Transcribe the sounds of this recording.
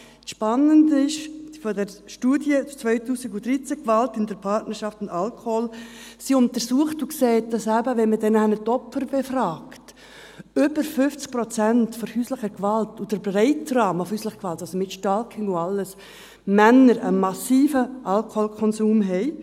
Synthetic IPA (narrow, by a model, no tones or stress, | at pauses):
sʃpɑnːəndɪʃfɔdɛɾʃtuːdjət͡sʋœʏtuːsɪɡudɾit͡sækʋɑltɪndəɾpʰɑɾtnəɾʃɑftʊndɑlkʰhɔlsiʊntəɾsuəχtukseːt̚d̥ɑsæbəʋɛnmədɛnɛnətɔpfəɾbefrɑːkt | ʏbəɾfʏft͡sk̚pɾɔt͡sæntfɔhyːsləχəkʋɑltud̥əɾbɾɛɪtrɑːməfhyːslɪχəkʋɑltɑlsomɪtʃtɑlkʰɪŋʊɑlːəs | mænːəɾəmɑsiːfəʔɑlkolkʰɔnsuːmɦɛɪ